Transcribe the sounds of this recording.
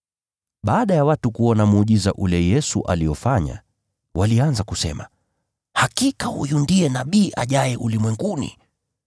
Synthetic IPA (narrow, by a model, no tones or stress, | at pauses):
ɓaːɗajawatukuɔnamuʄiza̰ʔulɛjɛsuʔa̰liɔfaɲa̰ | walianzakusɛ̰ma̰ | hakikahṵjundiɛnaɓiːʔa̰ʄajɛʔulimwɛŋɡunḭ